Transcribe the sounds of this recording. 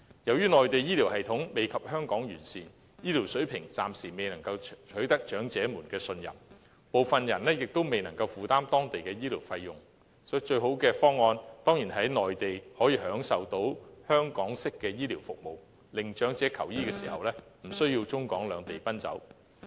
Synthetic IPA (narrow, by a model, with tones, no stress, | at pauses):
jɐ˨˩wjyː˥nɔː˨jt̪e˨jiː˥li˨˩whɐ˨jt̪ʰʊ˨˥ŋme˨jkʰɐ˨p̚hœː˥ŋkɔː˨˥ŋjyː˨˩nsiː˨n | jiː˥liː˨˩wsɵ˨˥ɥpʰɪ˨˩ŋt͡saː˨msiː˨˩me˨jnɐ˨˩ŋkɐ˧wt͡ʃʰɵ˨˥jt̪ɐ˥k̚t͡ʃœː˨˥ŋt͡sɛː˨˥muː˨˩nkɛː˧sɵ˧njɐ̰˨˩m | po˨wfɐ˨njɐ˨˩nlɛː˥jɪ˨k̚t̪o˥wme˨jnɐ˨˩ŋkɐ˧wfuː˨t̪aː˥mt̪ɔː˥ŋt̪e˨jkɛː˧jiː˥liː˨˩wfɐ˧jːʊ˨ŋ | sɔ˨˥t͡ʃɵ˧ɥɦo˨˥wkɛː˧fɔː˥ŋːɔː˧nt̪ɔː˥ŋjiː˨˩nɦɐ˨˥jnɔː˨jt̪e˨jhɔː˨˥jiː˨˧ɦœː˨˥ŋsɐ˨wt̪o˨˥whœː˥ŋkɔː˨˥ŋsɪ˥kːɛː˧jiː˥liː˨˩wfʊ̰˨k̚mo˨˩w | lɪ˨ŋt͡ʃœː˨˥ŋt͡sɛː˨˥kʰɐ˨˩wjiː˥kɛː˧siː˨˩hɐ̰˨wlɛː˥m̩˨˩sɵ˥ɥji˧wt͡sʊ˥ŋkɔː˨˥ŋlœː˨˧ŋt̪e˨˩jpɐ˥nt͡sɐ̰˨˥w